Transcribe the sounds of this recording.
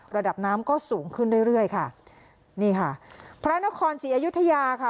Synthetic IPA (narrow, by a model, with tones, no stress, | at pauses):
ɾa˧da˨˩p̚naː˦˥mkɔː˥˩suː˩˦ŋkʰɯ˥˩nduː˥˩jɾɯ˥˩əjkʰa˥˩ | niː˥˩kʰa˥˩pʰɾa˦˥na˦˥kʰɔː˧nsiː˩˦ʔaː˧ju˦˥t̪ʰːa˧jaː˧kʰa˥˩